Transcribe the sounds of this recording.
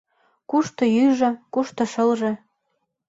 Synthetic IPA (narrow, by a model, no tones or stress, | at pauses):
kuʃt̪ɤ̆jyʒɤ̆kuʃt̪ɤ̆ʃɤ̆lʒɤ̆